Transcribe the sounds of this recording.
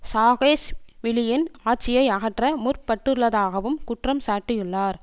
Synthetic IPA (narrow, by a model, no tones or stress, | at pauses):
saːɣeːsʋɪlɪjɪnaːʈ̚t͡ʃːɪjɐɪɐɣɐʈrɐmʊrpɐʈːɯɭːɐðaːɣɐʋɯmkʊʈrɐmsaːʈːɪjɯɭːaːɾ